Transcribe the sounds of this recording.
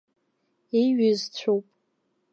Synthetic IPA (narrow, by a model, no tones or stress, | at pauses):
iɥɪzt͡ɕʷʰowpʼ